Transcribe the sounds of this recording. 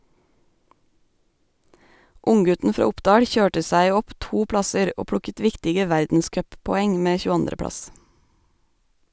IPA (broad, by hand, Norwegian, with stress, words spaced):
ˈʊŋˌɡʉtn̩ ˈfɾɑː ˈʊpdɑːɽ ˈçøːʈə ˈsæɪ ˈɔp ˈtuː ˈpɽɑsəɾ ˈoː ˈpɽʊkət ˈʋɪktɪɡə ˈʋæɾdn̩ˌskœppɔˌɛŋ ˈmeː çʉːˈɑndɾə ˈpɽɑs